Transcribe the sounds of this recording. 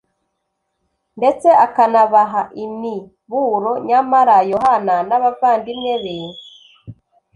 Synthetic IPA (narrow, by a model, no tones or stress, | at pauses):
nde̞t͡se̞ʔakanaβaɦaʔimi | βuɾo̞ɲamaɾajo̞ɦananaβavaːndimɲe̞βeːnzi